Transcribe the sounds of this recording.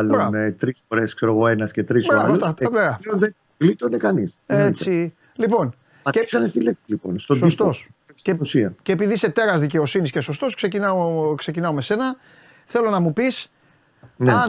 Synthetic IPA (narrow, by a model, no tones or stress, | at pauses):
ɐlubɾat̪ɾisfo̞ɾe̞skse̞ɾoɣo̞e̞nɐsce̞t̪ɾisbɾaɾft̪ɐbeɐionðe | lit̪oinekɐniset͡si | lipo̞n | ɐksɐnest̪ileksilipo̰nst̪osdsost̪oseusiɐceːpiðise̞t̪e̞ɾɐzðice̞o̞sinisce̞so̞st̪o̞skse̞cinɐokse̞cinɐome̞se̞nɐ | θe̞lo̞nɐmupis | neɐ